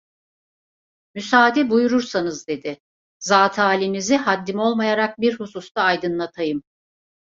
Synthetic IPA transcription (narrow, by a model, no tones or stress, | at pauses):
mysaːd̪ibujuɾuɾsanɯzd̪e̞d̪ɪ | zaːt̪ʰaːlʲiniziɦad̪ːimo̞lˠmajaɾak̚biɾhusust̪aːjd̪ɯnlˠat̪ʰajɯm